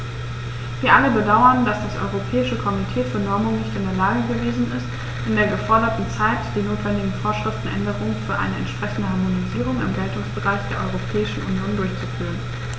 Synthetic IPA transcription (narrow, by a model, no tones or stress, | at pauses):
viːɐʔaləbədaʊɐndasd̥asʔɔ̰ʏʁopʰɛːɪʃəkʰɔmitʰeːfyːɐnɔɐmʊŋnɪçtɪndeːɐlaːɡəɡəveːzn̩ɪst | ʔɪndeːɐɡəfɔɐdɐtn̩t͡saɪtd̥iːnoːtv̥ɛndɪɡŋ̩foːɐʃʁ̥ɪftn̩ʔɛ̰ndəʁʊŋənfyːɐʔa̰ɪnəɛ̰ntʃpʁ̥ɛçn̩dəhaɐmoniziːʁ̞ʊŋɪ̰mɡɛltʊŋsb̥əʁaɪçd̥eːɐʔɔʏʁopʰɛːɪʃn̩ʔunjoːndʊɐçt͡sufyːʁən